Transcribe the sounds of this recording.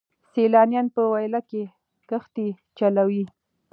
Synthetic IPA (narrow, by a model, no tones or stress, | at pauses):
selɑnjɑnpəwajlake | kəxt̪i | t͡ʃalawi